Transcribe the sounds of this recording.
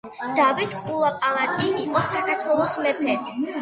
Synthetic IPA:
d̪̥avit̪χulˠapʼalˠat̪ʼiːqʼɔsakʰaɾt̪ʰwɛlˠɔsmɛpʰɛ

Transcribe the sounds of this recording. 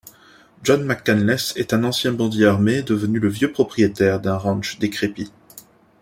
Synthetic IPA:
ʒɔnmakːanlɛsɛt̪ɛ̃nɑ̃sjɛ̃bɑ̃d̪jeaʁmed̪əvənyləvjøpχɔpχijet̪ɛʁd̪ɛ̃ʁɑ̃nʃd̪ekχepi

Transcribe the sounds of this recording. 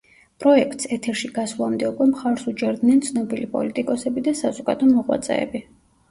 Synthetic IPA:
pʼɾɔɛk̚ʰt̪sɛt̪ʰɛɾʃiɡ̥aslˠamd̪ɛukʼwɛmχaɾsut͡ʃʼɛɾd̪nɛnt̪sʰnɔbilipʼɔ̰lit̪ʼikʼɔsɛbid̪asazɔɡa̰d̪ɔmɔʁwa̰t̪sʼɛ̰ːbi

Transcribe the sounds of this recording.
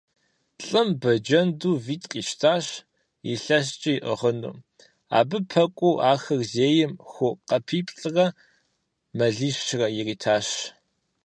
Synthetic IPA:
ɬʼɨmbɐd͡ʒɐnduːviːtʼqʼiːʃtʰaːɕ | iɬɐs̬t͡ʃʼɪiʔə̰ʁənṵː | a̰ːbɨpʰɐkʷʼuʔaːxɨrzeːjɪmxʷʊqɐpʰiːpʼɬʼɨrɐ | mɐɮiːʃʃrɐjɪriːtʰaːɕ

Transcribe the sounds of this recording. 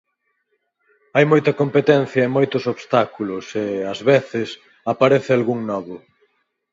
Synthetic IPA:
ajmojt̪ɐkompet̪ɛn̟θjɐemojt̪ʊsoβst̪akulʊseɐzβeθɪs | apaɾeθɪalɣuŋnɔβʊ

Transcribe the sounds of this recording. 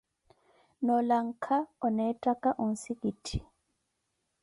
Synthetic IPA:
nɔlaŋ̩kʰaɔnɛtʼakʼaʔɔn̩sikitʰi̥

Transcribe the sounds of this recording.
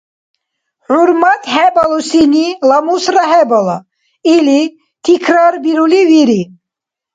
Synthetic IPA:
huɾmat̪ʰhɛbalusinilamusɾaɦɛbala | ili | t̪ʰikʰɾaɾbiɾuliviɾi

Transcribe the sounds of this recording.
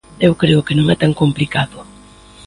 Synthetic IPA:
ewkɾeʊkɪnõŋɛt̪aŋkomplikaðʊ

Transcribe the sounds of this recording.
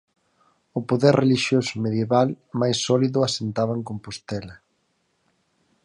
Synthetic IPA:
ʊpoðɛɾreliʃjosomeðjeβal | majsːɔliðʊasent̪aβaeŋkompost̪ɛlɐ

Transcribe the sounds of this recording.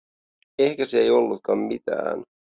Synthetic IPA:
ehkæseejo̞lːut̪̚kɑmːit̪æ̰ːn

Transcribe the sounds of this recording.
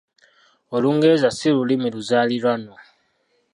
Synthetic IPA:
oluŋɡe̞ːzasilulimiluzaːliɾwano

